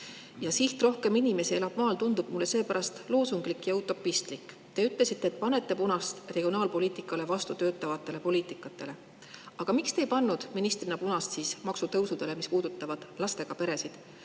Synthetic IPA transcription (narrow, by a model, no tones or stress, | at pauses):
jɑsiht̪ro̞hke̞minime̞sie̞lɑb̥mɑːlt̪und̪ub̥̚mulːe̞se̞ːpæɾɑst̪lo̞ːsuŋɡ̥likːˑjɑut̪ːˑo̞pːˑist̪likːˑ | t̪e̞yt̪ˑle̞sit̪ːˑeːt̪ˑpɑne̞t̪ːe̞punɑst̪reɡ̥ʲionɑːlpo̞liːt̪ˑikːˑɑle̞vɑst̪ut̪ø̞ːt̪ːˑɑvɑt̪ˑːe̞le̞po̞liːt̪ˑikːˑɑt̪ːˑe̞le̞ | ɑɡ̥ɑmikst̪e̞jpɑnːud̪̥minist̪rinɑpunɑst̪siːsmɑksut̪ɤwsud̪̥e̞le̞mispuːd̪̥ut̪ːˑɑvɑd̪̥lɑst̪e̞ɡ̥ɑpe̞ɾe̞sid̪̥